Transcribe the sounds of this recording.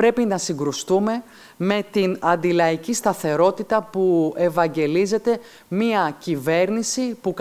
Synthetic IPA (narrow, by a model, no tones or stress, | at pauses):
ɾe̞pinɐsiŋɡɾust̪ume̞ | me̞t̪inɐnd̪ilɐicist̪ɐθe̞ɾo̞t̪it̪ɐpue̞vɐɲɟe̞lize̞t̪e̞ | miɐcive̞ɾnisipuk